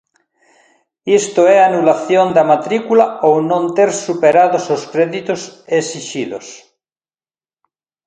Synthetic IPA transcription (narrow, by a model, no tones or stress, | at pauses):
ist̪oɛanulaθjond̪amat̪ɾikulaownõnt̪eɾsupeɾaðososkɾeðit̪osesiʃilo̰s